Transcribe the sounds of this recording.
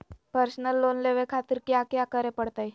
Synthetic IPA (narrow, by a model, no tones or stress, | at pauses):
pəɾsnəlːonleʋekʰat̪iɾkjakjakəɾɛpəɽt̪aj